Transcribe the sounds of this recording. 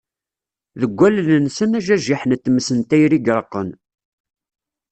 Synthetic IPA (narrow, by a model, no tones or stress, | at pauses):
ðəɡʷːælənənsənæʒæʒiħnt̪ːməsənt̪æjɾiɡɾˤəqːən